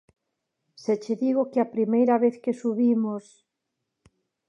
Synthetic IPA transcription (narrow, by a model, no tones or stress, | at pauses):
set͡ʃeðiɣokɪapɾimejɾɐβeθkesuβimos